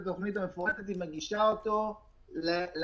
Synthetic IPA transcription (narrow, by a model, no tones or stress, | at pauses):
at̪o̞χnit̪̬amefoʁat̪et̪imeɡiʃaot̪o̞ | lel